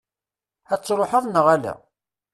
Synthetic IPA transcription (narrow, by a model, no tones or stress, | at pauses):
æt͡sːɾˤoħəðˤnəʁælæ̰